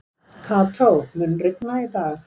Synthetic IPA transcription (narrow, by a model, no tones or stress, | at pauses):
kʰaːt̪ʰomɯnɾek̚nat̪aː